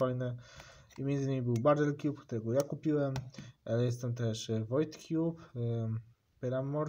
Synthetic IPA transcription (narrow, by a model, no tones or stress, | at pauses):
ajnɛ | imʲjɛnd̪zɨɘɲimibɘwbaɾd̪ɛlkʲjupkt̪uɾɛɡɔjakupʲiwɛmʔalɛjɛs̬t̪ɛmt̪ɛʂvɔjt̪kʲʰjup | pʲɛɾamːɔɾ